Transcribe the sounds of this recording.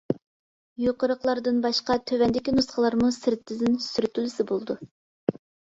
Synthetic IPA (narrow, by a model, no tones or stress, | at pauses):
joqəɾəqlˠɑɾd̪ɨnbɑʃqɑt̪ʰøwɛnd̪ɪkʲinusχəlˠɑɾmusɪɾt̪ʰːɪzɪnsyɾt̪ʰylɪsɪbolˠɨd̪u